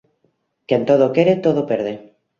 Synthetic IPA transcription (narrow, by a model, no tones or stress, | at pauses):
kent̪oð̞okeɾet̪oðopeɾð̞e